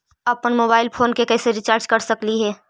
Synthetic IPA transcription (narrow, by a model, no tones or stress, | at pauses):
aːpːənmoːbaːɪlpʰoːnkekɛːseɾɪt͡ʃaːɾd͡ʒkɐɾsɐkliɦɛː